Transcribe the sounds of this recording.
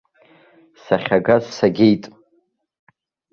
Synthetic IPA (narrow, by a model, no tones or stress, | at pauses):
saχʲaɡazsaɡʲe̞jtʼ